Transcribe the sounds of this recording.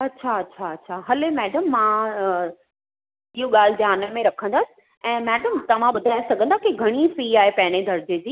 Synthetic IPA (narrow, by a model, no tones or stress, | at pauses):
ɐtːɕʰaɐtːɕʰaɐtːɕʰaɦɐlemɛːɖəmːã | iɦuɠaːl̤ɪd͡ʑaːnəmẽɾɐkʰə̃nd̪aːsɪ̥̆ | ɛ̃ːmɛːɖəmt̪ɐʋ̤ãɓʊd̪ʱaːesɐɡʱə̃nd̪akiɡʱɐɽ̃ifiːaːɦepɐ̃ɦɪ̃ñed̪ʱɐɾd͡ʑed͡ʑiː